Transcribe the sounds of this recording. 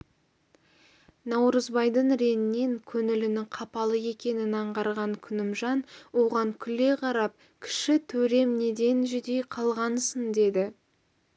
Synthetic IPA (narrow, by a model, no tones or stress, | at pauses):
nɑwɾəzbɑjd̪əɴɾe̞nɪnːe̞ŋkʲʰɵnɪlɪnɪŋqʰɑpɑlˠəe̞kʲe̞nɪnɑɴʁɑɾʁɑŋkʲʰʏnɪmʒɑnwo̞ʁɑŋkʲʰʏle̞qʰɑɾɑp̚ | kʲʰɪ̥ʃɪt̪ʰɵɾe̞mne̞d̪e̞nʒʏd̪e̞jqʰɑlˠʁɑnsənd̪e̞d̪ɪ